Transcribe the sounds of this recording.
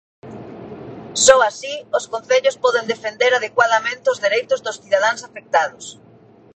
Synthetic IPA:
sɔasioskõn̟θeʎʊspɔðend̪efend̪eɾaðekwað̞amẽnt̪eʊzðiɾejt̪ʊzðʊsθiðað̞aŋsafek̚t̪aðʊs

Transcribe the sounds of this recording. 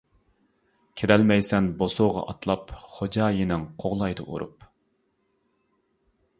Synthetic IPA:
kʲʰeɾɛlmɛjsɛnbosoʁɑ̰ʔɑt̪lˠɑpχod͡ʒɑːjinɪŋqʰoʁlˠɑjd̪ɨʔṵɾṵp

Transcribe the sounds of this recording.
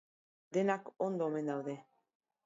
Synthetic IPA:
d̪e̞nakond̪oːme̞nd̪awðe̞

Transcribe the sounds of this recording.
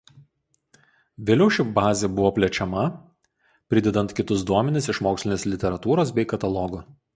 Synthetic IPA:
ʋʲeːlʲɛʊʃʲɪbɑːzʲeːbʊʋoːpʲlʲɛt͡ʃʲɛmɐ | pʲɾʲɪd̪ʲɛd̪ɐnt̪kʲɪt̪ʊsd̪uɔmʲɛnʲɪsɪʃmoːksʲlʲɪnʲeːslʲɪt̪ʲɛɾɐt̪uːɾoːsbʲɛɪkɐt̪ɐlˠɔɡʊ

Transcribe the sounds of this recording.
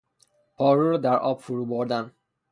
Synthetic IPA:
pʰɒːɾuɾɔːd̪æɾɒːbfuɾuːboɾd̪æn

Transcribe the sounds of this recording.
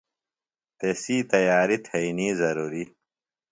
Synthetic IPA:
t̪esiːt̪ɐjaːɾit̪ʰɐiniːzɐɾuːɾi

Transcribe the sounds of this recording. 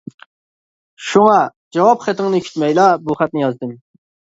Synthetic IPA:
ʃuŋɑd͡ʒɑwɑpχæt̪ʰɪŋnɨkʲʰy̥t͡ʃ̪mɛjlˠɑbuχæt̪̚nɪjɑzd̪ɨm

